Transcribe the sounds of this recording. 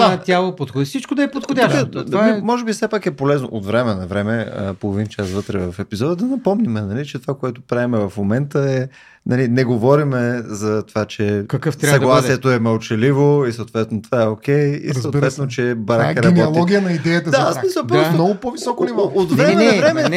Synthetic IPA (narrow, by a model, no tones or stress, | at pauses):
at̪jalˠopot̪xd̪sit͡ʃkʊd̪ɐɛpot̪xod̪ʲaʃɛamimɔʒɛbifsɛpakɛpolɛzno̰ʔot̪vɾɛmɛnɐvɾɛmɛə̰polˠovint͡ʃasvɤt̪ɾɛvɐfɛpizɔd̪əd̪ɐnɐpɔmnimɛnɐlit͡ʃɛt̪ovakoɛt̪o̥pɾavɛmɛvɐfmomɛnt̪əɛ | nʔɐlinɛɡovɔɾimɛzɐt̪ovat͡ʃɛkɐkəft̪ɾsaɐɡ̪lˠasiɛt̪oɛmɐlˠt͡ʃɛlivoisəoʊt̪vɛt̪not̪ovaɛok̟ɛjḭsot̪ivɛt̪not͡ʃɛbɐɾakɐɾɐnɔobliɔɡʲijənɐid̪ɛjət̪əd̪aaasmisəlˠpɾɔsnɔɡʊpovissɔkonivɔot̪vɾɛmɛnɐvɾɛmɛ